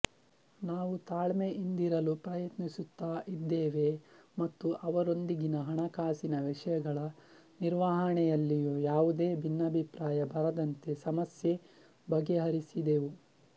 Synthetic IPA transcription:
naːʋut̪aːɭmeʔind̪iɾɐlupɾɐjɐt̪nisut̪ːaːʔid̪ːeːʋe̞mɐt̪ːuʔɐʋɐɾo̞nd̪iɡinɐɦɐɳɐkaːsinɐʋiʂɐjɐɡɐɭɐ | niɾʋaːɦɐɳɛjɐlːijujaːʋud̪e̞ːbʱinːɐbʱipɾaːjɐbɐɾɐd̪ɐnt̪e̞sɐmɐsje̞ | bɐɡeɦɐɾisid̪e̞ːʋu

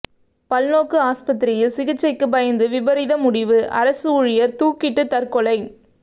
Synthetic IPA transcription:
pɐlnoːkɯaːspɐt̪ːɪɾɪjɪlsɪɣɪt͡ʃːɐɪkːɯpɐjɐnd̪ɯʋɪbɐɾɪðɐmʊɽɪʋɯʔɐ̰ɾɐsɯʊɻɪjɐɾt̪uːkɪʈːɯt̪ɐɾkɔɭɐɪ

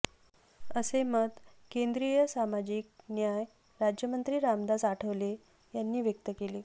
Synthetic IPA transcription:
əseməd̪kend̪ɾijəsamad͡ʑiːk̚njaj | ɾad͡ʑjəmənt̪ɾiːɾamd̪asaʈʰəʋle | janːiːʋjək̚t̪əkeleː

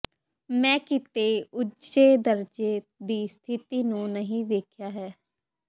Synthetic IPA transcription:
mɛ̃ːkɪt̪eːʊd͡ʒeːd̪əɾd͡ʒeːd̪iːst̪ʰɪt̪iːnũːnəɦĩːʋeːkʰjaːɦɛː

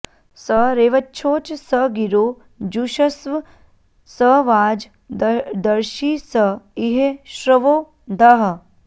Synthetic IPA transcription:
səɾeːʋɐtːt͡ʃʰoːt͡ʃsəɡiɾoː | d͡ʒuʃɐsʋɐ | səʋaːd͡ʒ | d̪ɐɾʃiːsəiɦeʃɾəʋoː | d̪ʱɐɦɐ

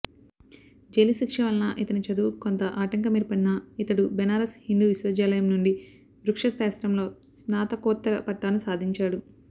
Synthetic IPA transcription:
d͡ʒeliʃikʂɐʋɐlnɐʔit̪ɐnit͡ʃɐd̪uːkont̪ɐʔaːʈɐŋkɐmiɾpɐɳinɐit̪ɐɽubɛnaːɾɐshind̪uːʋisʋɐd͡ʒaːlɐjɐmnuɳɖi | ʋɾukʂɐst̪aːst̪ɾɐmlo̞ː | snaːt̪ɐkɔːt̪ːɐɾɐpɐʈːaːnusaːd̪ʱiɲt͡ʃaːɽu

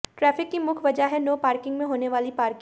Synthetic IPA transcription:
ʈɾɛːfɪkːimʊkʰʋɐd͡ʒaɦɛnoːpaːɾkɪ̃ŋɡmẽɦoːneʋaːlipaːɾk

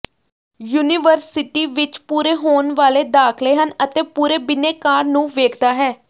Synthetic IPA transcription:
juːnɪʋəɾsɪʈiːʋɪt͡ʃpuːɾeːɦoːnʋaːleːd̪aːkʰleːɦənət̪eːpuːɾeːbɪneːkaːɾnũːʋeːkʰd̪aːɦɛː

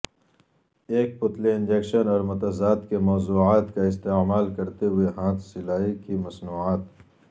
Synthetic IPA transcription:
eːk̚pʊt̪leɪ̃nd͡ʒekʃənɔːɾmʊt̪ɐzaːd̪kemɔːzuːaːt̪kaɪst̪eːmaːlkɐɾt̪eɦʊeɦãːt̪ʰsɪlaːikimɐsnuːaːt̪

